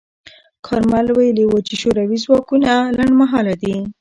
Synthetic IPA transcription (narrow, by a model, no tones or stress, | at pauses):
kʰɑɾmalwajəliwot͡ʃeʃoɾawizwɑkunalaɳɖmaɦɑlad̪i